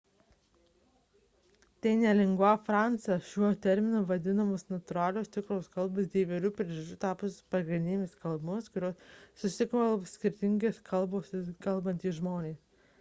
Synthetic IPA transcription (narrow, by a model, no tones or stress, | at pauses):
t̪ʲɛɪnʲɛlʲɪŋɡoːfɾɑˑnt̪sɐʃʲuɔt̪ʲɛɾʲmʲɪnʊːʋɐd̪ʲɪnɐmoːsnɐt̪ʊɾɑːlʲoːst̪ʲɪkɾoːskɐlˠbʊsd̪ʲiːʋʲɛlʲuːpʲɾʲiɛʒɐt͡ʃʲuːt̪ɑːpʊspɐɡɾʲɪnd̪ʲɪnʲmʲɪskɐlˠbʊskʊɾʲoːsːʊsʲɪkʋɐlˠosʲkʲɪɾʲt̪ʲɪŋʲɡʲeːskʰɐlˠboːskɐlˠbɐnt̪ʲiːʒmoːnʲeːs